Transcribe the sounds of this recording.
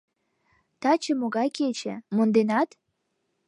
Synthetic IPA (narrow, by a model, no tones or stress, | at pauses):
t̪ɑt͡ɕə̆moɣɑjket͡ɕḛ̆mond̪enɑt̪